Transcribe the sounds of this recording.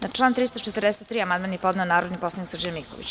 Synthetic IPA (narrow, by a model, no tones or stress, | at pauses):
nat͡ʂlˠaːnt̪ɾiːst̪ot͡ʃet̪ərd̪ɛset̪ːɾiːamand̪manːipod̪nanːaːɾod̪nipo̞slˠaniksr̩d͡ʑajmikoʋḭt͡ɕ